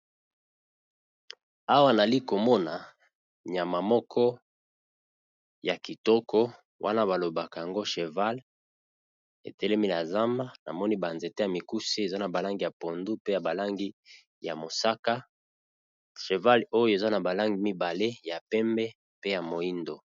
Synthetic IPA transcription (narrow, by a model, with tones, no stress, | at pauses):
a˦wa˦na˨li˦ko˨mɔ˦na˨ | ɲa˨ma˨mɔ˦kʰɔ˦ | ja˨ki˨tɔ˦kʰɔ˦ | wʔa̰˦na˦ba˨lo˨ba˨ka˨ja˨ŋɡo˦ʃe˨va˦l | ḛ˨tɛ˦lɛ˦mi˦la˨za˦ma˦na̰˨mɔ˦ni˦ba˨nze˨te˦ja˨mi˨ku˦se˦e˨za˦na˨ba˨la˦ŋɡi˦ja˨po˨ndu˦pe˦ja˨ba˨la˦ŋɡi˦ | ja˨mo˨sa˦ka˦ | ʃe˨va˦lo˦jo˦e˨za˦na˨ba˨la˦ŋɡi˨mi˦ba˨le˦ja˨pɛ˦mbɛ˦ | pe˦ja˨mo˨i˦ndo˨